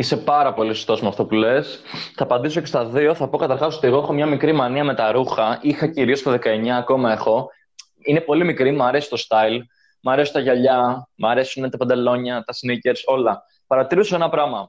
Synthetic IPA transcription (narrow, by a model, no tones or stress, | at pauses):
ise̞pɐɾɐpo̞lisu̥st̪osmuɐft̪opule̞s | θɐːpɐnd̪is̬o̞ce̞st̪ɐðio̞θɐpo̞kɐt̪ɐɾxɐsot̪ieɣoexo̞mɲɐmikɾimɐniɐme̞t̪ɐɾuxɐixɐciɾio̞st̪ɐðe̞kɐe̞ɲɐːko̞mɐe̞xo̞ | ine̞po̞limikɾimɐɾe̞si̥t̪o̞st̪ɐil | mɐɾe̞sunt̪ɐʝɐʎɐmɐɾe̞sunt̪ɐpɐnd̪e̞lo̞ɲɐt̪ɐsnice̞ɾso̞lɐ | pɐɾɐt̪iɾunsoe̞nɐpɾɐmɐ